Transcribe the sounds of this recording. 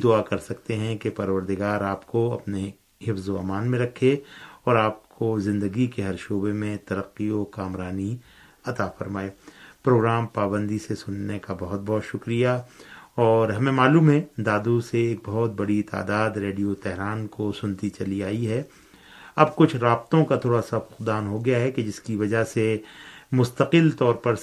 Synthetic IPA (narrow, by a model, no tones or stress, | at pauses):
d̪ʊakɐɾsɐkt̪eɦɛ̃kepɐɾʋəɾd̪ɪɡaːɾaːpkoɐpne | hɪfzoa̰maːnmẽɾɐkʰːeɔːɾaːp̚kʰozɪ̃nd̪əɡikeɦɐɾʃoːbemẽt̪ɐɾəqːiokaːmɾaːni | ɐt̪afɐɾmaːeːpɾoːɡɾaːmpaːbə̃nd̪isesʊnːekabɐɦʊt̪̚bɔɦt̪ʃʊkɾijaɔːɾɦɐmẽmaːluːmɦɛ̃d̪aːd̪useeːk̚bɐɦʊt̪̚bɐɽit̪a̰ːd̪aːd̪ɾeːɖijot̪ɛɦɾaːnkosʊnt̪it͡ʃɐliaːiɦɛ | ɐb̚kʊt͡ʃʰɾaːb̚t̪õkat̪ʰoːɽasaʊqd̪aːnɦoɡɐjaɦɛked͡ʒɪskiʋɐd͡ʒasemʊst̪əqɪlt̪ɔːɾpɐɾ